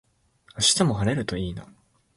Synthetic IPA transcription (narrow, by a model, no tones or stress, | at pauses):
aɕi̥t̪amo̞ɦaɾe̞ɾɯ̟t̪o̞iːna